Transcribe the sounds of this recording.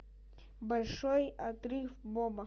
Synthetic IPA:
bɐlʲʂojɐt̪ɾɨfbomɐ

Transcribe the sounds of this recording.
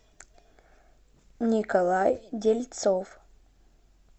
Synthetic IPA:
nʲikɐlˠajdʲelʲt̪sof

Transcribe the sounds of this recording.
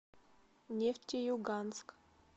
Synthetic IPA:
nʲeftʲejuɡansk

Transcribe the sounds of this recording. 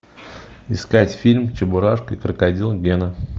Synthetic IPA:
ɪskatʲfʲilʲmt͡ɕɪbʊɾaʂkikɾəkɐdʲilˠɡʲenə

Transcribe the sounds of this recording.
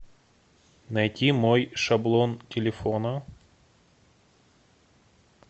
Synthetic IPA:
nɐjtʲimojʂɐblˠontʲɪlʲɪfonə

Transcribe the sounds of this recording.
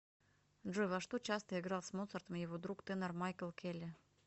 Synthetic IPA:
ʐojvaʂt̪ut͡ɕast̪əɪɡɾɑlˠsmot̪sərt̪əmjɪvod̪ɾukt̪ɨnərmajkəlˠkʲʰelʲɪ

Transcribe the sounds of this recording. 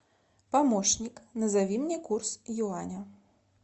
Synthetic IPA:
pamɔʂnʲiknɐzavʲimnʲɛkursjuanʲɐ

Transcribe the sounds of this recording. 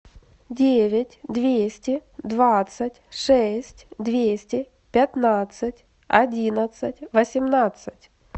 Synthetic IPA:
dʲevʲɪtʲd̪vʲesʲtʲɪd̪vat̪sətʲʂɛsʲtʲd̪vʲesʲtʲɪ | pʲɪt̪nat̪sɨtʲ | ɐdʲinət̪sɨtʲvəsʲɪmnat̪sɨtʲ

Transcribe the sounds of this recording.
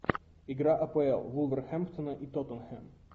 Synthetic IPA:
iɡɾaʔɐpoɛ̰lˠvulˠvɛɾxɛmpt̪onəʔit̪ɔt̪ənxɛm

